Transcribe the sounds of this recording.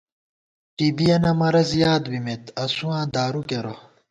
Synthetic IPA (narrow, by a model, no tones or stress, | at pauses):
ʈiːbijɐnɐmɐɾɐzjaːd̪bimet̪ɐsuãːd̪aːɾukeɾo